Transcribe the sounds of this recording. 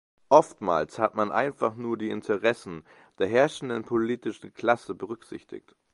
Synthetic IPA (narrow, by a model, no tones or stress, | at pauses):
ʔɔftma̰ːlshatmanʔa̰ɪnfaχnuːɐdiːɪntʰəʁɛsn̩ | d̥eːɐɦɛɐʃn̩dənpʰoliːtɪʃn̩kʰl̥asəbəʁ̞ʏkz̥ɪ̰çtɪ̰çt